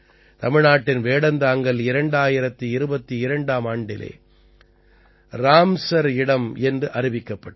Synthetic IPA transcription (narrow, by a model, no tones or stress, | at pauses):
t̪ɐmɪɻnaːʈːɪnʋeːɽɐnd̪aːŋɡɐlɪɾɐɳɖaːjɪɾɐt̪ːɯɪɾɯbɐt̪ːiɪɾɐɳɖaːmaːɳɖɪlḛː | ɾaːmsɐɾɪɽɐmɛndrɯʔɐɾɪʋɪkːɐpːɐʈː